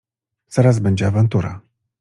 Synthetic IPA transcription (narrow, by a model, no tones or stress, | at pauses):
z̥aɾazbɛɲd͡ʑɛavant̪uɾa̰